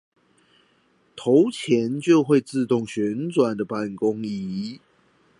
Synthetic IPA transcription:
t̪ʰo˨˦ʊt͡ɕʰjɛ˧˦nt͡ɕjo˥˧ʊxwe˥˧ɪt͡sɹ̩˥˧t̪ʊ˥˨ŋɕɥɛ˨˧˥nt͡swa˨˩nd̪ə˨pa˥˩nkʊ˦ŋi˨˧˦

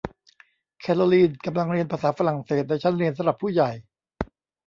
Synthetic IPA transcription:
kʰɛ˧˩lo˧liː˥˩nka˧mla˧ŋɾi˧ənpʰaː˧saː˩˦fa˧ɾa˨˩ŋseː˨˩t̪̚lɛː˦˥t͡ɕʰa˦˥nɾi˧nsa˧˦ɾa˨˩pʰːuː˥˩ja˨˩j

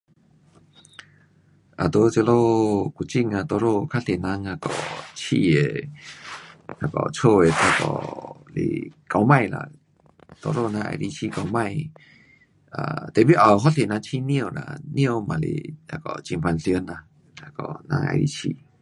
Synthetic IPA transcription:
ʔa˨t̪o˧˦t͡sə˧lo˦ku˧˨t͡ɕi˧ŋa˧˨t̪o˧˨ɾo˧kʰa˦˥ɬe˨nã˧ŋa˧kɔ̰˨t͡ɕʰi˧e˨ | a˧˩kɔ̰˨t͡sʰo˧e˨t̪ʰa˧kɔ̰˧˨lḛ˨ka˨wmã˧jla̰˧˨ | t̪o˧˨ɾo˧˨na˧ʔa̰˧˨ɾi˧˦t͡ɕʰi˧˨ka˨wmã˧˨j | a˧˨t̪ɛ˨bi˦ʔa˨wɦɔ˦ɬe˨nã˧ŋt͡ɕʰi˧˨nĩ˦˧o˧˨la̰˧nĩ˦o˧˨mã˨lḛ˨a˧˨kɔ˧˨t͡ɕi˧˨ŋpʰa˧nɬi˧ə˦na˧ | a˧kɔ˧˨nã̰˧˥ŋʔa̰˧˨ɾḭ˧˦t͡ɕʰi˧˨

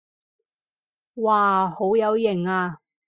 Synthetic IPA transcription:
waː˨ho˨˥wjɐ˨˧wjɪ˨˩ŋaː˧

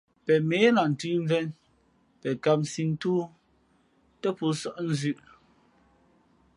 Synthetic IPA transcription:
pɛ˨meː˨˦la˨n̩˨tʉ˦m˦vɛ˦n | pɛ˨ka˨p̚nsi˨n̩˦tuː˦ | tɛ˦pu˨˦sɔ˦ʔn̩˦zʉ˦˨ʔ

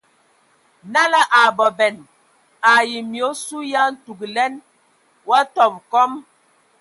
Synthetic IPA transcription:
na˦la˦ʔa˨bɔ˨bɛ˨n | a˨ji˨mjo˨˦su˦ja˦n̩˦tu˨ɡlɛ˦n | wa˦tɔ˨p̚kɔ˦m

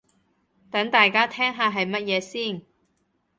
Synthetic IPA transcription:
t̪ɐ˨˥ŋt̪aː˨jkaː˥t̪ʰɛː˥ŋɦaː˨˧ɦɐ˨jmɐ˥t̚jɛː˨˧siː˥˩n

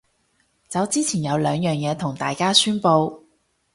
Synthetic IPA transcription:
t͡sɐ˨˧wt͡siː˥t͡sʰiː˨˩njɐ˨˧wlœː˨˧ŋjœː˨ŋjɛː˨˧t̪ʰʊ˨˩ŋt̪a̰ː˨jkaː˥syː˥npo˧w

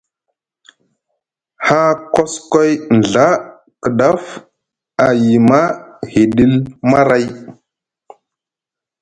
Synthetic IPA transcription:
ha˦ko˦sko˦jn˨ɮa˦ | kə˨ɗa˦f | a˨ji˨ma˦he˨ɗi˦lma˦ɾa˦j

